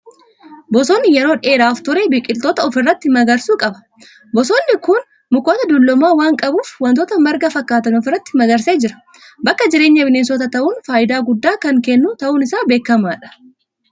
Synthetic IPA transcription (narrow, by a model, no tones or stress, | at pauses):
bɔsoːnːɪjɛɾoːᶑe̞ːɾaːft̪ʊɾebiːkʼɪlt̪oːt̪ɐɔfɪrːɐt̪ːɪmɐɡɐɾsuːkʼɐbɐ̥ | bɔsoːnːɪkʊn | mʊko̞ːt̪ɐd̪ʊlːɔmaːwaːŋkʼɐbuːfwɐnt̪oːt̪ɐmɐɾɡɐfɐkːaːt̪ɐnɔfɪrːɐt̪ːɪmɐɡɐɾseːd͡ʒɪɾɐ̥ | bɐkːɐd͡ʒɪɾe̞ːɲːɐbɪneːnsɔt̪ɐt̪ɐʔuːnfaːʔɪd̪aːɡʊd̪ːaːkɐŋkɛnːuːt̪ɐʔuːnɪsaːbe̞ːkːɐmaːᶑɐ̥